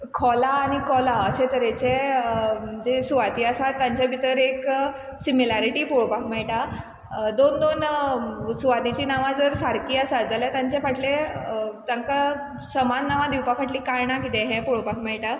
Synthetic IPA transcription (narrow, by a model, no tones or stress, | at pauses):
kʰɔlaːɽ̃ikɔlaəset̪əɾet͡ɕe | d͡zesuʋat̪iːasat̪ːãɲt͡ɕabʱit̪əɾek | similaɾiʈiːpoɭopakmɛɭʈa | d̪ond̪on | suʋat̪it͡ɕiːnaʋãd͡zəɾsaɾkiːasat̪d͡zaljat̪ãɲt͡ɕẽfaʈʰlet̪aŋka | səmanːaʋãd̪iwpakʰaʈliːkaɾɳakit̪ẽɦɛ̃poɭopakmɛɭʈa